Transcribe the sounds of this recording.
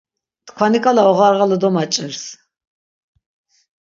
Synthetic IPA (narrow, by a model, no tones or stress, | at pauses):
t̪kʰwanikʼalaɔʁaɾʁalɔd̪ɔmat͡ʃʼəɾs